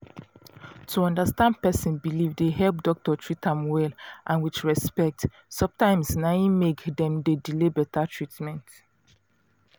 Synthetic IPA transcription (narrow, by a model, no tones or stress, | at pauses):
tʰuɔ̃ndastãndpɛsĩnbilivdeɦɛlp̚dɔk̚tɔtʰɹitãmwɛlʔãnwit͡ʃɹɛspɛk̚t | sɔ̃btãɪ̃msnaĩmekdɛ̃mdedilebɛtatʰɹitmɛ̃nt